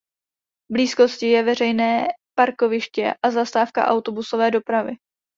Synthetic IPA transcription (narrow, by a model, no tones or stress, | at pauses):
bliːsko̞scɪjɛvɛrɛjnɛːpaɾko̞vɪʃcɛ̰ʔazast̪aːfka̰ʔawt̪o̞busovɛːdo̞pɾavɪ